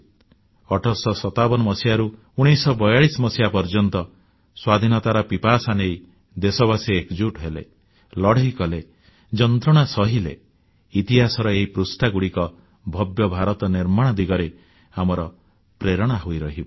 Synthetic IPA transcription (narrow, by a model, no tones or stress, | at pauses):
ɔʈʰɔsɔsɔt̪abɔnɔmɔsijaɾu | uɽ̃ijsɔbɔjaɭisɔmɔsijapɔɾd͡ʒɔnt̪ɔ | swad̪ʱinɔt̪aɾɔpipasanej | d̪esɔβasiekd͡ʒuʈɦelḛ | lɔɽ̤eikɔle | d͡ʒɔnt̪ɾɔɽ̃asɔɦilḛ | it̪iɦasɔɾɔeɦipɾusʈaɡuɽikɔ | bʱɔbjɔbʱaɾɔt̪ɔniɾmaɽ̃ɔd̪iɡɔɾe | amɔɾɔ | pɾeɾɔɽ̃aɦojɾɔɦibɔ